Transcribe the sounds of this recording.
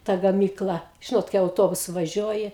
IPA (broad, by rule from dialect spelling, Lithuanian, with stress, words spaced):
tɐ ɡɐˈmʲiːklˠɐ ˈʒʲɪnoːt kɐɪ ɐʊˈtoːbʊsʊ ʋɐˈʒʲuɔjɪ